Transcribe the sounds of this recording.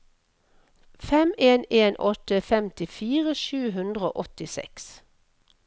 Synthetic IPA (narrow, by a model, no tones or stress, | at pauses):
fɛmeːneːnʔɔt̪əfɛmt̪ɪfiːʁəʃʉːɦʉnd̪ʁəo̰ːʔɔt̪ɪsɛ̰ks